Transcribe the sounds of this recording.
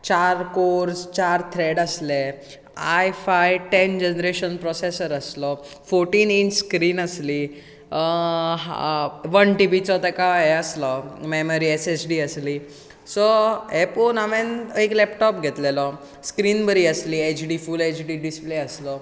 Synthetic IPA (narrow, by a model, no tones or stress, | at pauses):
t͡ɕaɾkoɾst͡ɕaɾt̪ʰɾeɽəsle | ajfajʈend͡ʑenəɾeɕənpɾɔsesəɾəslɔ | foɾʈiːninskɾiːnəsli | ɦʋənʈibit͡sɔt̪əkaeəslɔmeməɾiesesɖiəsli | sɔeponamẽneklɛpʈɔpɡʱet̪lelɔ | skɾiːnbəɾiəsliet͡ɕɖifulet͡ɕɖiɖispleəslɔ